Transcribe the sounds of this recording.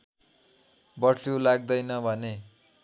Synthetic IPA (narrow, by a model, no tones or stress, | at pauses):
bʌsʰolaɡ̚d̪ʌjnʌbʱʌne